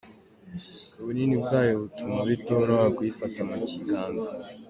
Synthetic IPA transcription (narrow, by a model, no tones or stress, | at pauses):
uβuninibɡaːjoβutumaβitoɾaakwifatamuciɡaːnza